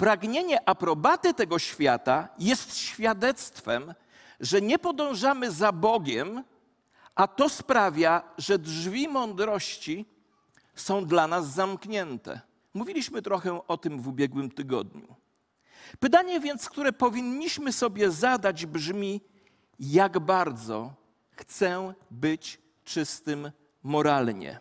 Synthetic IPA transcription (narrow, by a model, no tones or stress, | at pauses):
pɾaɡɲeɲɛʔapɾɔbat̪ɘt̪ɛɡɔɕfʲjat̪ajɛst̪ɕfʲjad̪ɛt̪st̪fɛm | ʐɛɲɛpɔd̪ɔ̃w̃ʐamɘzabɔɡʲɛm | ʔat̪ɔspɾavʲjaʐɛdʐvʲimɔnd̪ɾɔɕt͡ɕi | sɔ̃w̃d̪lanazːamkɲɛnt̪ɛ̰ | muvʲilʲiɕmɘt̪ɾɔxɛʔɔt̪ɘmvubʲjɛɡwɘmt̪ɘɡɔ̰d̪ɲṵ | pɘt̪̬aɲɛvʲjɛnt̪skt̪uɾɛpɔvʲiɲːiɕmɘsɔbʲjɛzad̪ad͡ʑbʐmʲi | jaɡbaɾd̪zɔ̰ | xt̪sɛbɘt͡ɕ | t͡ʂɘst̪ɘmː | ɔɾalɲɛ̰